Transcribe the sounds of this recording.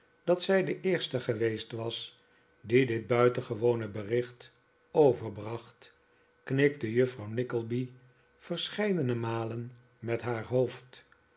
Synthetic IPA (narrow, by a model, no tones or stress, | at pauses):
d̥ɑtsɛjdəʔɪːɹstəχəʋejstʋɑs | didɪd̚bœɥtənχəʋownəbərɪχt | owvəɹbrɑχt | knɪk̚təjɵfrɑwnɪkəlˠbi | fəɹsχɛjdənəmaːlən | mɛtɦaːɹɦowft